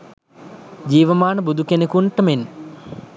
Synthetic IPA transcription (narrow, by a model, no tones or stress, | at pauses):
d͡ʑiːʋəmaːnəbud̪ʱukenekuɳʈəmen